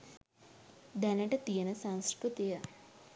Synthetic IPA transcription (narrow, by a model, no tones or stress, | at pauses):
d̪ɐnɐʈɐt̪ijɐnɐsɐŋskɾut̪ijɐ